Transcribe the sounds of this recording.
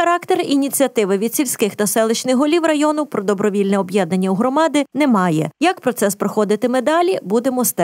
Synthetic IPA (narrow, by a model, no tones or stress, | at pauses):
ɐɾɑkt̪erinʲit͡sʲiɐt̪ɪʋɪʋʲid̪̥sʲilʲsʲkɪxt̪ɐsɛlˠɪt͡ʃnɪxɦɔlʲiwrɐjɔnʊwpɾɔd̪ɔbɾɔʋʲilʲnɛɔbjɛd̪nɐnʲːɐuɦɾɔmɑd̪ɪnɛmɑjɛjɐkpɾɔt̪sɛspɾɔxɔd̪ɪt̪ɪmed̪ɑlʲibud̪emɔst̪ɛ